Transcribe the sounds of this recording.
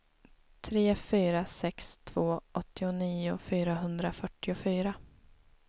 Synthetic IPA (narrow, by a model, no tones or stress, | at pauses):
t̪ʰɾeːfyːɾasɛkst̪ʰv̥oːʔɔt̪ːɪʊniːʊ̰fyːɾaɦɵnd̪ɾafœʈːɪʊfyːɾa